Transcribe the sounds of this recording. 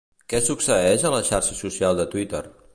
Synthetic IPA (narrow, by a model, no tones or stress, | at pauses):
kɛsuksəɛʃələʃarʃəsusialˠd̪ət̪wit̪ər